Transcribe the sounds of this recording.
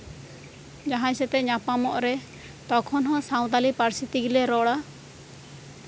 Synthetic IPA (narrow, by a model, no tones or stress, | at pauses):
d͡ʒaɦãisɛt̪ɛɲapamɔʔɾɛ | t̪ɔkʰɔnɦɔ̃saw̃d̪alipaɾsit̪iɡilɛɾɔɽa